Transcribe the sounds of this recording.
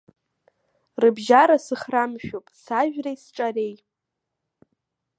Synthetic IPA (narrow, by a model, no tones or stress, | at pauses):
rɨbʒaɾasɨχramʃᶣopʼsaʒᶣrajsʈ͡ʂʼarej